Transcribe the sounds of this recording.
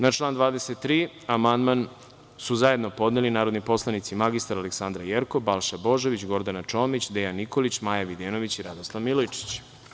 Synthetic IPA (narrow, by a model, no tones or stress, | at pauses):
nat͡ʃlˠaːnd̪ʋaːd̪eset̪ːɾiː | amand̪man | suzaje̞d̪no̞po̞d̪nelinaːɾo̞d̪nipo̞slˠanit̪simaɡist̪aɾaleksand̪ɾajeɾkobalˠʃabo̞ʒoʋit͡ɕɡo̞ɾd̪anat͡ʃo̞ːmit͡ɕd̪ejanːiko̞lit͡ɕmaːjaʋid̪eːno̞ʋit͡ɕiɾad̪oslˠaʋmilojt͡ʃi̥t͡ɕ